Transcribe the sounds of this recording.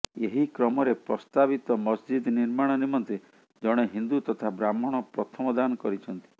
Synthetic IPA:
eɦikɾɔmɔɾepɾɔst̪abit̪ɔmɔsd͡ʒid̪niɾmaɽ̃ɔnimɔnt̪e | d͡ʒɔɽ̃eɦind̪ut̪ɔt̪ʰabɾamɔɽ̃ɔpɾɔt̪ʰɔmɔd̪anɔkɔɾit͡ʃʰɔnt̪i̥

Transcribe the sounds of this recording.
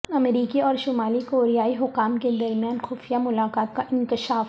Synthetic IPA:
ɐmɾiːkiɔːɾʃʊmaːlikoːɾijaːiɦʊkːaːmked̪ɐɾmijaːnxʊːfijamʊlaːkaːt̪̚kaʔɪ̃nkɪʃaːf

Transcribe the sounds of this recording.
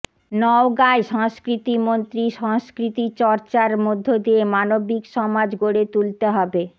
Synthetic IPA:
nɔoɡaeʃɔŋskɾit̪imont̪ɾiʃɔŋskɾit̪it͡ɕɔɾt͡ɕaɾmod̪ʱːod̪iemanobikʃɔmad͡ʑɡoɽet̪ult̪eɦɔbe

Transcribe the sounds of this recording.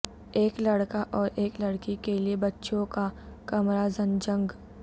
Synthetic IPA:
eːklɐɽkaʔɔːɾeːklɐɽkikeliebɐtːʃõkakɐmɾazənd͡ʒɐ̃ŋɡ

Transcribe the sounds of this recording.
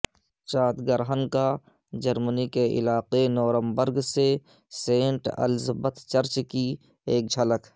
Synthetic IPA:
t͡ʃaːt̪ɡəɾɦənka | d͡ʒəɾmənikeʔɪ̰laːqenɔːɾə̃mbəɾɡse | sẽːɳʈə̰lzbət̪t͡ʃəɾt͡ʃki | eːk̚d͡ʒʱələk

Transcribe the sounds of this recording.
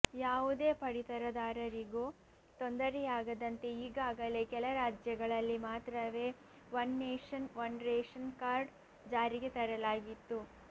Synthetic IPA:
jaːʋud̪eːpɐɽit̪ɐɾɐd̪aːɾɐɾiɡuː | t̪ond̪ɐɾɛjaːɡɐd̪ɐnt̪e̞iːɡaːɡɐle̞kɛlɐɾaːd͡ʒjɐɡɐɭɐlːimaːt̪ɾɐʋe̞ː | ʋɐnːeːʂɐnʋɐnɾeːʂɐnkaːɾɖ | d͡ʒaːɾiɡet̪ɐɾɐlaːɡit̪ːu

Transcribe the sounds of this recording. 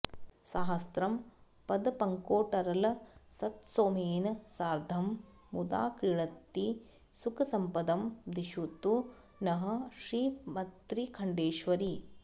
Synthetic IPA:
saːɦɐst̪ɾɐm | pɐd̪ɐpɐŋkoːʈɐɾɐlɐsɐt̪soːmeːnɐsaːɾd̪ʱɐmː | ud̪a̰ːkɾiɭɐt̪ːi | sukɐsɐmpɐd̪ɐmd̪iʃut̪ːu | nɐɦɐ̆ʃɾiːmɐt̪ɾikʰɐɳɖeːʃʋɐɾi

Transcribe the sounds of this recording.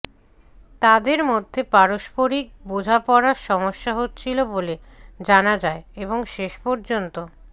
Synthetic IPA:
t̪ad̪eɾmod̪ʱːepaɾoʃpoɾik̚bod͡ʑʱapɔɾaɾʃɔmoʃːaɦotːt͡ɕʰilobole | d͡ʑanad͡ʑaeeboŋʃeʃpɔɾd͡ʑont̪o

